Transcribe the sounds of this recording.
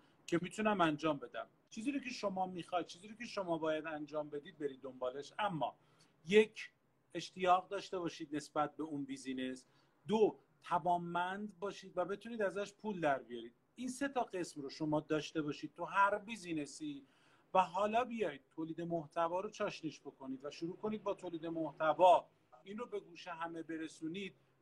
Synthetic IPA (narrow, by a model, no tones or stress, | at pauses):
cʰe̞miːt̪ʰunæmænd͡ʒɒːmbe̞d̪æ̰m | t͡ʃʰiːziːɾocʰe̞ʃo̞mɒːmixɒjd̪̚t͡ʃʰiːziːɾocʲʰe̞ʃo̞mɒːbɒːjæd̪ænd͡ʒɒːmbe̞d̪iːd̪̚be̞ɾiːd̪̚ːo̞mbɒːleʃæmːɒ̰ː | je̞cʰ | e̞ʃt̪ijɒːɣd̪ɒːʃt̪e̞βɒːʃiːd̪̚ne̞sbæt̪̚be̞unbiːzines | d̪o | t̪ʰævɒːmːænd̪bɒːʃiːd̪væbe̞t̪ʰuniːd̪æzæʃpʰuːld̪æɾbijɒɾiːd̪̥ | iːnse̞t̪ʰɒːɢe̞smroʃo̞mɒːd̪ɒːʃt̪e̞bɒːʃiːd̪̚t̪ʰuɦæɾviːziːne̞si | væɦɒːlɒːbijɒːjd̪̚t̪ʰoːliːd̪e̞moht̪ʰævɒːɾot͡ʃʰɒːʃniʃbo̞ko̞niːd̪væʃuɾuːko̞niːd̪̚bɒːt̪ʰoːliːd̪e̞moht̪ʰævɒː | inrobe̞ɡuːʃeɦæme̞be̞ɾe̞suniːd̪̥̚